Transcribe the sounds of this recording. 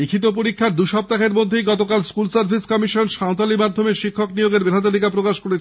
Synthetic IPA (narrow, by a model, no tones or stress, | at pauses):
ikʰit̪op̬oɾikʰːaɾd̪uʃɔp̚t̪akeɾmod̪ʱːejɡɔt̪okalskulsaɾbʱiskɔmiʃonʃaot̪alimad̪ʱːomeʃikʰːoknijoɡeɾbed̪ʱat̪̬alikapɾokaʃkoɾet͡ɕʰ